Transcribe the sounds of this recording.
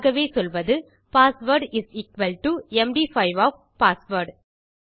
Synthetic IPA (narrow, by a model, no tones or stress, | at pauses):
ɣɐʋeːsɔlʋɐðɯ | paːsʋəɾɖɪzikʋɐlʈuɛmɖiːfɐɪʋɔːf | paːsʋɐɾɖ